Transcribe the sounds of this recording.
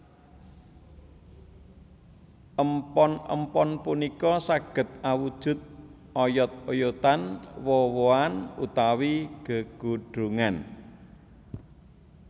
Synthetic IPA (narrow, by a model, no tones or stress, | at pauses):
ʔəmpɔnə̰mpɔnpunikɔsaɡ̥ə̤t̪̚awud̥ʒ̥ʊ̤t̪̚ | ɔjɔt̪̚ojot̪anwɔwoanṵt̪awiɡ̥ə̤ɡ̥uɖ̥ɾuŋan